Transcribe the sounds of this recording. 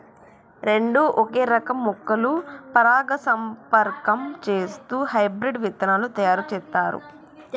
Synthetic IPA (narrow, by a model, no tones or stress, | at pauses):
ɾe̞ɳɖuʔoke̞ːɾɐkɐmːukːɐlupɐɾaːɡɐsɐmpɐɾkɐmt͡ʃe̞ːst̪uːhɐjbɾiɖʋit̪ɐnaːlut̪ɐjaːɾut͡ʃɛːt̪ːaːɾṵ